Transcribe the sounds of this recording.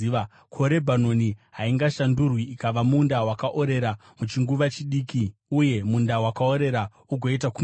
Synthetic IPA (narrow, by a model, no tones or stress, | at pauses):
kʰo̞ɾe̞bʱano̞niɦaiŋɡaʃandurwiːkaʋamundawakaʔo̞ɾe̞ɾamut͡ʃiŋɡuʋat͡ʃiɗiːkiuje̞mundawakao̞ɾe̞ɾa | uɡʱoitaku